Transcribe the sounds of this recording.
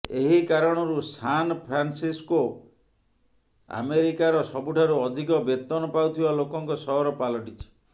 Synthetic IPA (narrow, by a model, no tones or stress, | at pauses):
eɦikaɾɔɽ̃ɔɾusanpʰɾansisko | a̰meɾikaɾɔsɔbuʈʰaɾuɔd̪ʱikɔbet̪ɔnɔpawt̪ʰibalokɔŋkɔsɔɦɔɾɔpalɔʈit͡ʃʰi̥